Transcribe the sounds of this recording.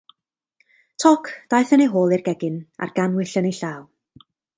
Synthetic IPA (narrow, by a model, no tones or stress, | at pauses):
tʰɔkʰd̥ajθənejɦoːlˠɪrɡɛɡɪna̰rɡ̥anwɪɬənejɬaːwˠ